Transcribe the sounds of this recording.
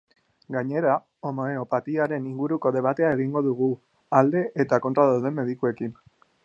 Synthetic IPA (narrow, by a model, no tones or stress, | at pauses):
ɡaɲe̞ɾa | omaeopat̪iaɾe̞niŋɡuɾuko̞ðe̞β̞at̪e̞ae̞ɣiŋɡo̞ðuɣ̞u | ald̪e̞ʔet̪ako̞nt̪ɾaðawðe̞mːe̞ðikue̞kin